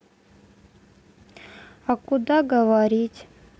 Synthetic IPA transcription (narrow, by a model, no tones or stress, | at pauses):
akʊd̪aɡəʋaɾʲitʲ